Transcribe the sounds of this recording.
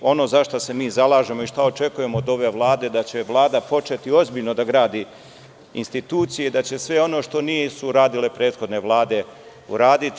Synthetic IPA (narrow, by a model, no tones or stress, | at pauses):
o̞no̞ːzaʃt̪ose̞miːzalˠaːʒe̞mo̞iʃt̪ao̞t͡ʃe̞kuje̞moːd̪o̞ʋe̞ːʋlˠaːd̪e̞d̪at͡ɕe̞ʋlˠaːd̪apo̞t͡ʃe̞t̪io̞zbiʎno̞d̪aɡɾaːd̪i | inst̪it̪uːt̪sijeid̪at͡ɕe̞sʋe̞o̞no̞ʃt̪o̞nijesuɾaːd̪ile̞pɾe̞ːd̪xo̞d̪ne̞ʋlˠaːd̪e̞ | ṵɾaːd̪it̪